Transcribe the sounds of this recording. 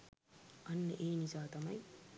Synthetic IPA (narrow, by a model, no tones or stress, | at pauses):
ʔɐnːəʔeːnizaːt̪ɐmɐ̰j